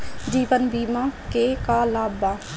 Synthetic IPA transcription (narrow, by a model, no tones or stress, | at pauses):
d͡ʒiːʋənbiːmakekaːlaːbaː